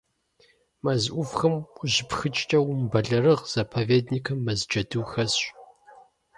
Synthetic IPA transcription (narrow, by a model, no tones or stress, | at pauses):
mɐzʔʷʊfxɐmʷʊʑɪpxɨt͡ʃʼt͡ʃʼɐwʊmbɐɮɐɾɨʁz̥ɐpʰɐveːdnikʰɐmːɐzd͡ʒɐdɨwxɐs